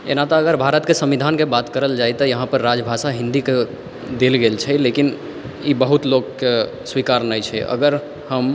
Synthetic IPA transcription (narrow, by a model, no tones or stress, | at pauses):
ḛnat̪ɔːɡəɾbʱaɾət̪kesəmʋid̪ʱankebat̪kəɾəld͡ʒajt̪ɔjəɦãpəɾːad͡ʒbʱasaɦĩnd̪ike | d̪elɡelt͡ʃʰɛlekin | ibəɦut̪lokːe | swikaɾnəjt͡ʃʰɛ̰ʔə̰ɡəɾ | həm